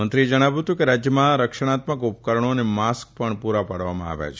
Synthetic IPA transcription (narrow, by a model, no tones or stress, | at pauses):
ənt̪ɾied͡ʒəɽ̃aʋut̪ũkeɾad͡ʒjəmãɾəkʃəɽ̃at̪məkup̚kəɾəɳ̃onemask̚pəɳpuɾapaɽʋamã̰a̰ʋa̰t͡ʃʰ